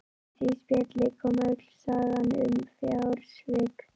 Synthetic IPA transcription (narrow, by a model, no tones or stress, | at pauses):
siːspjɛt̪lɪkʰɔːmœt̪l̥saːɣanʏ̰mfjawɾsvɪːk